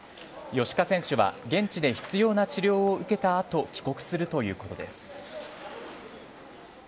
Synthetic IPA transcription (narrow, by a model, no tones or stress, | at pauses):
jo̞ɕi̥kasẽ̞ɕɨβa̰ɡẽ̞ɲt͡ɕid̪eçi̥t͡sɨjo̞ːnat͡ɕiɾʲo̞ːɯ̟ke̞t̪aːt̪o̞kʲi̥ko̞kɯ̟̥sɨɾɯ̟t̪o̞jɯ̟ːko̞t̪o̞d̪e̞̰sɨ̥